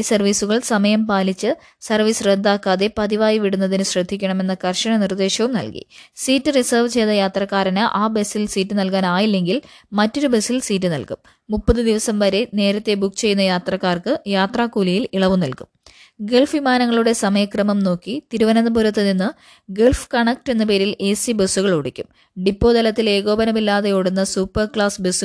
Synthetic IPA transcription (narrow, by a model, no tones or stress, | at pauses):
sɐrʋiːsuɣɐɭsɐmɐjɐmpaːlit͡ɕːɨ | sɐrʋiːsrend̪ːaːkːaːðe̞pɐðiʋaːjiʋiɽunːɐðinɨɕrɐd̪ʱːikʲːɐɳɐme̞nːɨkɐrɕɐɳɐnird̪e̞ːɕɐʋumnɐ̰lkḭsiːtːɨrisɐːrʋt͡ɕejðɐjaːt̪rɐkːaːɾɐnɨʔaːbe̞sːilsiːtːɨnɐlkaːnaːjilːe̞ŋɡilmɐtːo̞ɾube̞silsiːtːɨnɐ̰lkumː | upːɐðɨd̪iʋɐsɐmʋɐɾe̞ne̞ːɾɐt̪ːe̞bukːt͡ɕe̞jːunːɐjaːt̪rɐkːaːrkɨjaːt̪raːkːuːlijiliɭɐʋumnɐlkum | ɡeɭfʋimaːnɐŋːɐɭuɽe̞sɐmɐjɐkrɐmɐmno̞ːkːit̪iɾuʋɐnɐnːɐpuɾɐt̪ːɨninːɨ | ɡeɭfkɐɳɐk̚ʈe̞nːɨpe̞ːɾileːsibesːuɣɐɭoɽikʲːum | ɖipːo̞ːd̪ɐlɐt̪ːile̞ːɣo̞ːbɐnɐmilːaːðɐjoːɽunːɐsuːpːɐrkɭaːsbesu